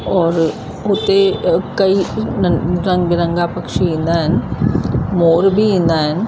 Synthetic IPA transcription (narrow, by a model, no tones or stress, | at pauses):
ɔːɾ | ɦoːt̪ekɐi | ɾɐ̃ŋɡbɪɾɐ̃ŋɡapɐkʃiĩnd̪aɦɛn | moːɾbʱiĩnd̪aɦɛn